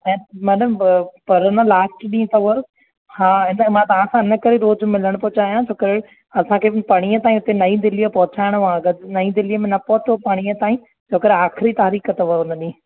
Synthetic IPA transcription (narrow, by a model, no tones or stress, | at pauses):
ɛ̃ːmɛːɗəmpɐɾɪnəlaːsʈɗĩːt̪ɐʋɐɾ | haːɪnəmãt̪ɐʋãsãɪnəkɐɾeɾoːzmɪləɽ̃pʊɦt͡ɕaːjãd͡ʑoːkəɾe | ɐsãkʰeːpɐɽ̃ijət̪aːĩʊt̪enɐĩd̪ɪlijəpɐɦʊt͡ɕaːɪɽ̃ʋãɡənɐid̪ɪlijəmẽnɐpɔɦʊt̪opaːɽ̃iət̪aːĩ | d͡ʑoːkəɾeaːxɪɾit̪aːɾiːkət̪ɐʋɐʊnɐɗĩː